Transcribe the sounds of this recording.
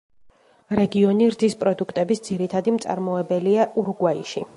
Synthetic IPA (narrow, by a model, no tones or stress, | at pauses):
ɾɛɡiɔniɾd̪ispʼɾɔd̪ukʰt̪ʼɛbisd̪z̥iɾit̪ʰad̪imt̪sʼa̰ɾmɔɛbɛliaʔuɾɡwaiʃi